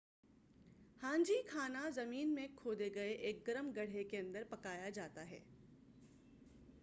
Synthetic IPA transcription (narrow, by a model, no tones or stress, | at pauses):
hãːɲd͡ʒikʰaːnazɐmiːnmẽkʰoːd̪eɡɐeʔeːk̚ɡɐɾəmɡɐɽ̤ekeɐ̃nd̪əɾpɐkaːjad͡ʒaːt̪aɦɛ̰ː